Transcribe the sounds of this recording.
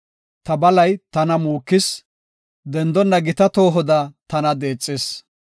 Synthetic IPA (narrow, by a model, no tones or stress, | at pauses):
t̪ɐbɐlɐjt̪ɐnɐmuːkːɪs | d̪ɛnd̪ɔnːɐɡɪt̪ɐt̪o̞ːɦɔd̪ɐt̪ɐnɐd̪e̞ːt͡sʼːɪs